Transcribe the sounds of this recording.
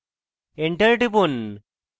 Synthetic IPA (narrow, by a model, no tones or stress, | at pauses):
eɳʈeɾʈipun